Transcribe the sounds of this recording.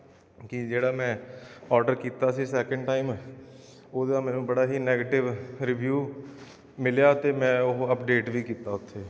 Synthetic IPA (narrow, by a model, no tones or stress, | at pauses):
kɪd͡ʒeːɽaːmɛ̃ːɔːɾɖəɾkiːt̪aːsiːsɛːkə̃ɳɖʈaːim | oːd̪aːmɛ̃ːnũːbəɽaːɦiːnɛːɡeːʈɪʋɾɪʋjuː | mɪljaːt̪eːmɛ̃ːʊɦəpɖeːʈʋiːkiːt̪aːʊt̪ʰːeː